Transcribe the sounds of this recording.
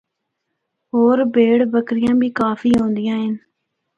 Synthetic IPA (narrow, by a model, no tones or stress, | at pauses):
ɦoːɾbeːɽbəkɾɪjãːbʱiːkaːfiːɦõːnd̪ɪjãːɦɪn